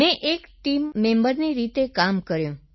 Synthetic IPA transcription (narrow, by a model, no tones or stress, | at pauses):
meʔekʈimːẽmbəɾniɾit̪ekamkəɾjũ